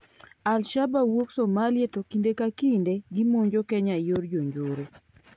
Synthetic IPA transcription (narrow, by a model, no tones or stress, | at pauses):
alʃabawoksomalɪetokindekakindeɡimoɲd͡ʒokɛɲajoɾd͡ʒoɲd͡ʒoɾe